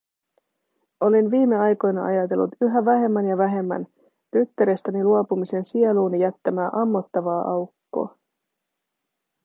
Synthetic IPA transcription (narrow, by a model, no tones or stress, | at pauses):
o̞linʋiːmːe̞ɑjko̞jnɑʔɑ̰jɑt̪e̞lːṵt̪yɦæʋæɦe̞mːænjɑʋæɦe̞mːæ̰n | t̪yt̪ːæɾest̪æniluopumise̞nsieluːnijæt̪ːæmæːʔɑmːo̞t̪ːɑʋɑːʔɑwkːo̰ː